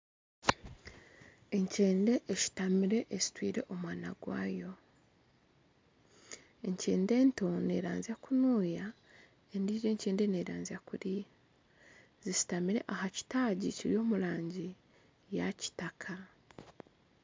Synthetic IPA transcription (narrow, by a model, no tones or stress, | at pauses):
e̞ɲce̞ːnde̞ʔeʃi̥tamiɾe̞ʔezi̥twiːɾe̞̰ʔomwaːnaɡwa̰ːjo̞ | e̞ɲcḛːnde̞ːnto̞ne̞̰ːɾa̰ːnziakunuːja | endiːze̞ːɲce̞ːnde̞neːɾaːnziakuɾi | zisi̥tamiɾe̞̰ʔahaci̥taːɟiciɾijo̞ːmulaːɲɟi | jaci̥takʰa